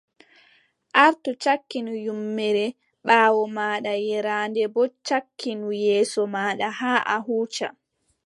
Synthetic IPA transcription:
ʔaɾtut͡ʃakːinujumːɛɾɛ | ɓaːwɔmaːɗajɛɾaːndɛbɔt͡ʃakːinujɛːsɔmaːɗahaːʔaɦuːt͡ʃa̰

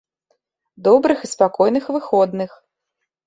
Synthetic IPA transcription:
d̪ɔbɾɨxispakɔjnɨxvɨxɔd̪nɨx

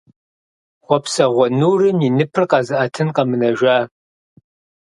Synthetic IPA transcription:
χʷɔpʰsɐʁʷɔnuːrɨminɨpʰɨrqɑːzɨʔɐtʰɨnqɐmɨnɐʒʷaː

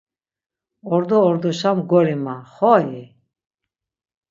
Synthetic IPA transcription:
ɔɾd̪ɔːɾd̪ɔʃamɡɔɾimaχɔji

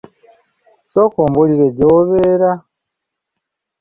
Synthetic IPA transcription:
sokoːmboliɾeɟoβeɾa

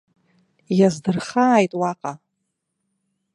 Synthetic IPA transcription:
jazdɨrχaːjtʼwaqʼa

